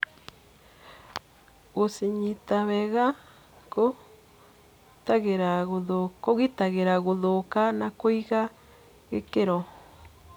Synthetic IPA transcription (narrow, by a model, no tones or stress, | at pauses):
ɣosiɲitaβɛɣa | ko | taɣeɾaɣoðokoɣitaɣeɾaɣoðokanakoiɣa | ɣekeɾɔ